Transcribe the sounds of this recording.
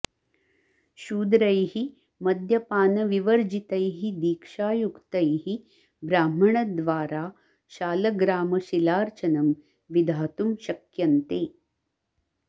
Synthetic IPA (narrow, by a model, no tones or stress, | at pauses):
ʃuːd̪ɾɐjhi | mɐd̪ʱjɐpaːnɐʋiʋəɾd͡ʒit̪ɐjɦid̪iːkʂaːjukt̪ɐjɦi | bɾaːm̤ɐɳ̃ɐd̪ʋaːɾaː | ʃaːlɐɡɾaːmɐʃilaːɾt͡ʃɐnɐm | ʋid̪ʱaːt̪umʃɐkjɐnt̪eː